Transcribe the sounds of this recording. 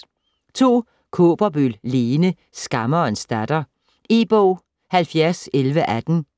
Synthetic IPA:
t͡sʰo̝̰ː | kʰo̝ːb̥ɐb̥ylle̝ːnə | sɡ̥ɑ̈mɐɒensd̥æd̥ɐ | e̝̰ːb̥ɔʊ̰ | hælfjæɐselʋəʔæd̥n̩

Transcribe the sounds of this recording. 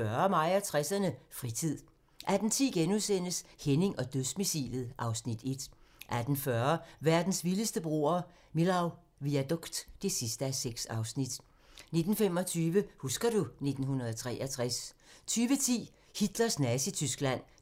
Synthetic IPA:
ɶɐmɑ̈ɪ̰ɐt͡sʰʁasɐnəfʁit͡sʰið̰ˠ | ʔæd̥n̩t͡sʰḭːɡ̥enusen̰əshene̝ŋʔɒ̽d̥øðˠsmisḭːlð̩ˠʔɑ̈ʊsnid̥e̝d̥ʔæd̥n̩fɶɐʋæɐd̥n̩sʋiləsd̥əb̥ʁo̝̰ɐ | milɑ̈ʊ | ʋiæd̥ɔɡ̥d̥d̥e̝sisd̥əæseɡ̥sɑ̈ʊsnid̥ | ne̝d̥n̩fem̰ɒ̽t͡sʰyːʋəhusɡ̥ɐd̥une̝d̥n̩hunɐð̞ˠɒt͡sʰʁɛ̰ːʔɐt͡sʰʁast͡sʰyːʋət͡sʰḭː | hid̥lɐsnæsit͡sʰysɡ̥læn̰

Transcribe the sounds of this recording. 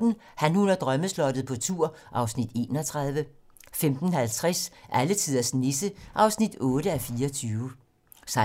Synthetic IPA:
n̩ | hænhunɐd̥ʁɶməslɒ̽d̥ð̩ˠpʰɒ̽t͡sʰuɐ̰ | ʔɑ̈ʊsnid̥e̝̰ːnɒt͡sʰʁɑ̈ðˠʋə | femd̥n̩hælt͡sʰʁasʔælət͡sʰiðˠɐsnesəʔɑ̈ʊsnid̥ɔ̽ːɾəæfiːɐɒt͡sʰyːʊ | sɑ̈

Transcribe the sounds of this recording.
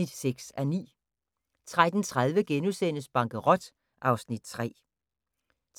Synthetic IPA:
id̥seɡ̥sænḭː | t͡sʰʁad̥n̩t͡sʰʁað̞ˠʋəɡ̥enusen̰əsb̥ɑ̈ŋɡ̥əʁɒ̽d̥ | ʔɑ̈ʊsnid̥̚t͡sʰʁɛ̰ː | t͡s

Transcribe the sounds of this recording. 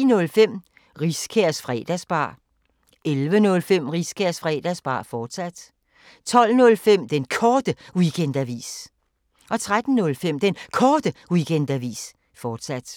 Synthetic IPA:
inɔ̽lfem̰ | ʁiskʰeɐ̰sfʁɛ̰ːd̥æsb̥ɑ̰̈ː | elʋənɔ̽lfem̰ʁiskʰeɐ̰sfʁɛ̰ːd̥æsb̥ɑ̰̈ːfɒːd̥sæd̥ | t͡sʰɒ̽l̰nɔ̽lfem̰d̥enkʰɒːd̥əwikʰend̥æʋḭːs | ʔɒ̽t͡sʰʁad̥n̩ːɔ̽lfem̰d̥enkʰɒːd̥əwikʰen̰d̥æʋḭːs | fɒːd̥sæd̥

